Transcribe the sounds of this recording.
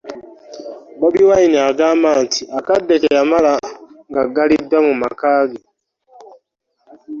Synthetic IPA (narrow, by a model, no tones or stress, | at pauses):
baβiwainiaɡaːmbaːntʰiʔakadːekejamalaŋɡaɡalidːwamuma̰kaːɡe